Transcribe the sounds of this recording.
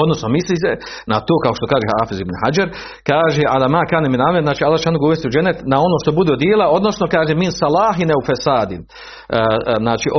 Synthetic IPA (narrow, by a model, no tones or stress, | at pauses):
od̪no̞snomisliːse | nat̪oːkao̞ʃt̪o̞kaːʒehaːfizibnhad͡ʒaɾ | kaːʒeʔad̪amaːkaːneminaeznaːt͡ʃialːaːt͡ʃaːnoɡauʋest̪iud͡ʒenːet̪nao̞noːʃt̪o̞bud̪eːd̪jeːlao̞d̪no̞sno̞kaːʒeminsalaːɦineufesaːd̪in | znaːt͡ʃiʔo